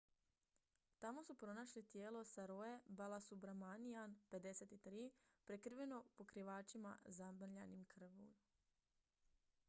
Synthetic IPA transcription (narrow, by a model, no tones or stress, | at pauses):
t̪amo̞supɾo̞naʃlit̪jeːlo̞saɾojebalˠasubɾamanianpe̞d̪e̞set̪it̪ɾiːpɾekɾʋe̞no̞po̞kɾiʋaːt͡ʃima̰zabʎa̰nimkr̩ʋṵ